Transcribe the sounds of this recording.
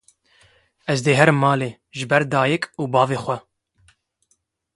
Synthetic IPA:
ɛzd̪eːɦɛɾmɑːleː | ʒɨbɛɾd̪ɑːjɛkuːbɑːveːxʷwɛ

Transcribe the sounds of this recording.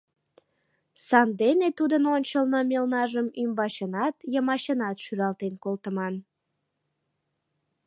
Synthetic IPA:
sɑnd̪enet̪ud̪ənonʲt͡ɕəlnəmelnɑʒəmymbɑɕənɑt̪jəmɑɕənɑt̪ʃyɾɑlˠt̪enkolt̪əmɑn

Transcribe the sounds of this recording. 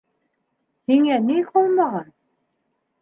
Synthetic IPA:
hiŋæniholˠmɑʁɑn

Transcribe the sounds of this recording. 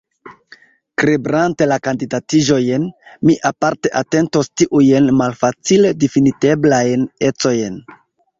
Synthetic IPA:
kɾebɾante̞lakandidatiʒo̞jenmiʔapaɾte̞ʔate̞nto̞stiʔujenmalfat͡sile̞definite̞blajne̞t͡so̞jn

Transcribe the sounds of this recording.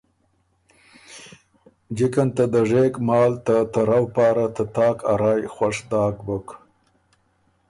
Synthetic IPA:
d͡ʒɪkant̪ad̪əʐekmɑːlt̪at̪aɾawpɑːɾat̪ət̪ɑːkaɾɑːjxwaʂd̪ɑːkbək

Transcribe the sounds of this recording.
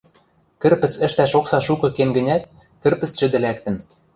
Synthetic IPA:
kɘ̆rpɘ̆t͡sɘ̆ʃt̪æʃoksɑʃukɤ̆kemɡɘ̆nʲæt̪̚ | kɘ̆rpɘ̆t͡st͡ɕɘ̆d̪ɘ̆lækt̪ɘ̆n

